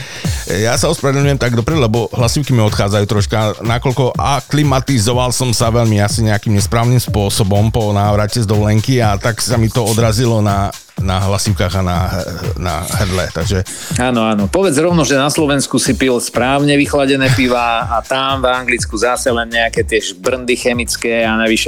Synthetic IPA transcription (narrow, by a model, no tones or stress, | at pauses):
jasaɔspɾɛd̪ɛɲujɛmt̪aɡd̪ɔpɾɛd̪lɛbɔɦlasiʊkimiɔt̪xaːd͡zajuːt̪ɾɔʃkanakɔʎkɔʔaklimat̪izɔʋalsɔmsaʋɛʎmiasiɲɛakimɲɛspɾaːʊnimspʊɔsɔbɔmpɔnaːʋɾacɛzd̪ɔʋlɛŋkiat̪aksamit̪ɔɔd̪ɾazilɔna | naɦlasiʊkaːɣanaɦna̰ɦr̩lɛt̪aɡʒɛ | anɔanɔpɔʋɛd͡zɾɔʋnɔʒɛnaslɔʋɛnskusipilspɾaːʊɲɛʋixlaɟɛnɛːpiʋaat̪amvaŋɡlit͡skuzasɛlɛnɲɛakɛt̪ɪɛʒbr̩nd̪ixɛmit͡skɛːanaʋiʃɛ